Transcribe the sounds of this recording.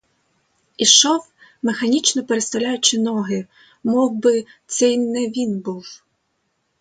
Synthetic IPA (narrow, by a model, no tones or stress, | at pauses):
iʃɔw | mexɐnʲit͡ʃnɔpeɾest̪ɐwlʲajʊt͡ʃɪnɔɦɪ | mɔwbɪt̪sɛjnnɛʋʲinbuw